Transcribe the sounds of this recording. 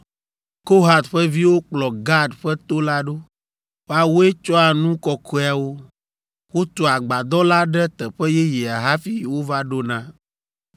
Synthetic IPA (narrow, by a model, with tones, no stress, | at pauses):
ko˦ɦa˨t̪ɸɛ˦vi˦wo˦k͡plɔ˨ɡa˦dɸɛ˦t̪o˦la˦ɖo˦ | wa˨wo˦e˦t͡ʃɔ˦a˨nũ˦kɔ˨kʰɔ˦a˨wo˦ | wo˦t̪ɔ˨a˨ɡ͡ba˨d̪ɔ˦la˦ɖɛ˦t̪ɛ˨ɸɛ˦jɛ˦jɛ˨a˨ɦa˦fi˦˨wo˦va˦ɖo˦nã˦